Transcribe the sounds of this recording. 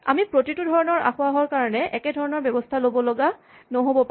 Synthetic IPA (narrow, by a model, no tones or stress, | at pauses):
a̰mipɹotitudʱɔɹɔnɔɹʔa̰xʊaɦɔɹkaɹɔnɛʔɛkɛdʱɔɹɔnɔɹbjɔbɔstʰalobɔlɔɡa | nɔɦobɔp